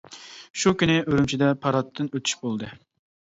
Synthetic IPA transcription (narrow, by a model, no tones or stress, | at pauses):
ʃukʲynɪʔøɾymt͡ʃʰid̪ɛpʰɑɾɑt̪ʰːɨnøt̪ʰy̥ʃbolˠd̪ɨ